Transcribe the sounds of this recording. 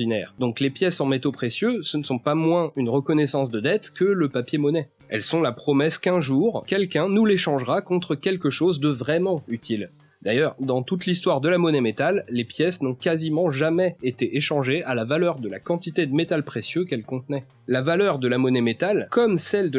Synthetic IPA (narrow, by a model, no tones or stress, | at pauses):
inɛ̰ːʁd̪ɔ̃klepjɛsɑ̃met̪opχesjøsənəsɔ̃pamwɛ̃ynʁəkɔnɛsɑ̃s̬d̪əd̪ɛt̪kələpapjemɔnɛ | ɛlsɔ̃lapχɔmɛskɛ̃ʒuʁkʲɛlkʲɛ̃nuleʃɑ̃ʒʁakɔ̃t̪χəkʲɛlkəʃozd̪əvʁɛmɑ̃yt̪ʰil | d̪ajœʁd̪ɑ̃t̪ut̪lis̬t̪waʁd̪əlamɔnɛmet̪alːepjɛsnɔ̃kazimɑ̃ʒamɛet̪eʔeʃɑ̃ʒeʔalavalœʁd̪əla̰kɑ̃t̪it̪ed̪əmet̪alpχesjøkɛlkɔ̃t̪nɛ | lavalœʁd̪əlamɔnɛmet̪alkɔmsɛld̪ə